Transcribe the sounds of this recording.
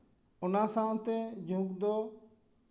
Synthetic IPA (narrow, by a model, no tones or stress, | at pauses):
ʊnasãnt̪ɛd͡ʒʱũkd̪ɔ